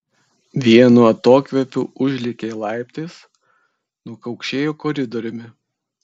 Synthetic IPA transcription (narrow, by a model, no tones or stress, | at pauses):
ʋʲiɛnuːɐt̪oːkʲʋʲɛpʲuːʊʒʲlʲɪkʲeːlˠɑˑɪpʲt̪ʲeːs | nukɐʊkʃʲeːjuːkɔɾʲɪd̪ɔɾʲʊmʲɪ